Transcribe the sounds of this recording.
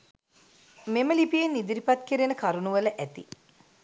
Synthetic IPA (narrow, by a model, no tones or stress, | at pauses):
meməlipijenːid̪iɾipat̪kiɾinəkaɾunuʋələʔæt̪ḭ